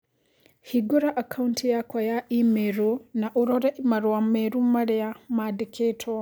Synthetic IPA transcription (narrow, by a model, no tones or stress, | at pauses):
hiɡoɾaʔakʰauntijakwajaʔimeɾunaʔuɾoɾaʔimaɾwwameɾumaɾejamadikʰetʰo